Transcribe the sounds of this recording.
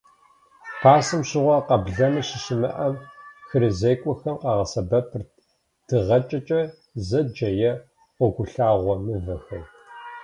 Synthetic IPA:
xʰaːsɨmɕɪʁʷɔqɐbɮɐmɐɕɪɕɪmɨ̰ʔɐmxɨɾɨzejkʷʼɔxɐmqɑʁɐsɐbɐpʰɨr | d̥ɨʁɐt͡ʃʼɐt͡ʃʼɐ | zɐd͡ʒɐjɛ | ɔɡʷʊɬaːʁʷɔmɨvɐxɐr

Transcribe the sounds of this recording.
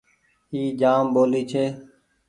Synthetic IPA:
iːd͡ʒaːmboːliːt͡ʃʰeː

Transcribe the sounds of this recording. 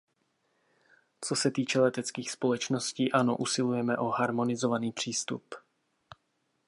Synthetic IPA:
t͡so̞sɛt̪iːt͡ʃɛlɛt̪ɛt͡skiːxspo̞lɛt͡ʃno̞sciːʔano̞̰ʔusɪlujɛmɛʔo̞ɦaɾmo̞nɪzo̞vaniːpr̝̥iːst̪ṵp

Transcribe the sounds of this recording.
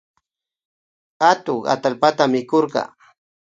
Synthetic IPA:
at̪oŋa̰t̪alpat̪amɪkoɾɢɑ̰

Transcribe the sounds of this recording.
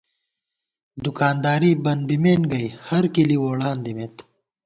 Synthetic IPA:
d̪ukaːnd̪aːɾiːbɐnd̪̚bimeːnɡɐjhɐɾkiliwoːɽaːnd̪imet̪

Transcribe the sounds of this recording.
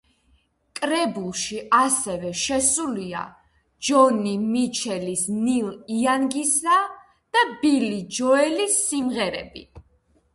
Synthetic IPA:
kʼɾɛbulˠʃiasɛvɛʃɛsulia̰ | d͡ʒɔnimit͡ʃʰɛlisniliaŋɡisa | d̪̥abilid͡ʒɔɛlisːimʁɛɾɛ̰bḭ

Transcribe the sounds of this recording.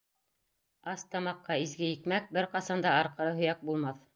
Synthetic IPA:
ɑst̪ɑmɑqːɑizɡɘjɘ̆kmæk̚bɘɾqɑsɑnd̪ɑɑɾqɤ̆ɾɤɦɵ̆jæk̚bulˠmɑθ

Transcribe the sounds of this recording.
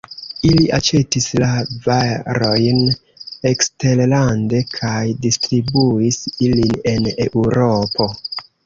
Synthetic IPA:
iliʔat͡ʃe̞tislavaɾo̞jn | ekste̞ɾlande̞kʰajdistɾibuisiline̞neuɾo̞po̞

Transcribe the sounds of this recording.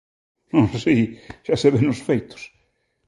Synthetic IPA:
nõsiʒ̥aseβenʊsfejt̪ʊ̥s

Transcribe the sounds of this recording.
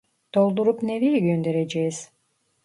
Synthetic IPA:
d̪̥o̞lˠd̪uɾupnevijɡønd̪e̞ɾed͡ʒejiz̥

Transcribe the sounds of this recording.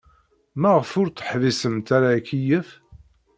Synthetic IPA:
mæʁəfʊɾt̪ə̥ħvisəmt̪aɾakijəf

